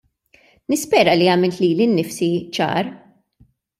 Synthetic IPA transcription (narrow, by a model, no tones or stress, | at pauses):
nɪspɛːɾɐliɐːmɪlt̪liːlinːɪfsit͡ʃɐ̰ːɾ